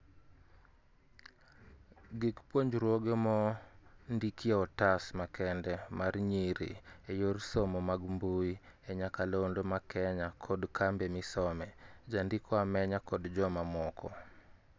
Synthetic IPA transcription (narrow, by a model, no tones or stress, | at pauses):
ɡɪkpwoɲd͡ʒɾwoɡemɔndikjeɔtasmakɛndɛmarɲiɾḭejorsɔmɔmaɡmbuieɲakalondomakɛɲakʰɔdkʰambɛmisɔmɛd͡ʒandikʰɔamɛɲakɔdd͡ʒɔmamɔkɔ̰